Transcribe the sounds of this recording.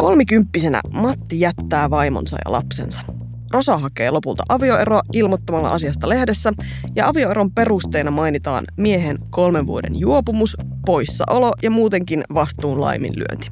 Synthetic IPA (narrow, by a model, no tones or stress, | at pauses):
kolmikympːise̞næ̰mɑt̪ːijæt̪ːæːʋɑjmo̰nsɑ̰jɑ̰lʔɑ̰pse̞̰nsɑ̥ | ro̞sɑɦɑke̞ːlo̞pult̪ɑʔɑʋio̞e̞ɾoɑʔilmot̪ːomɑlːɑ̰ʔɑsiɑst̪ɑle̞hde̞sːæ | jɑɑʋio̞e̞ɾo̞mpe̞rust̪e̞ːnɑmɑjnit̪ɑ̰ːnmieɦenko̞lmeʋʋuo̞dḛnjuopumus | po̞jsːɑ̰ʔo̞lo̞jɑmuːt̪e̞ŋkinʋɑst̪uːnlɑ̰jmḭnly̰ø̰nt̪i̥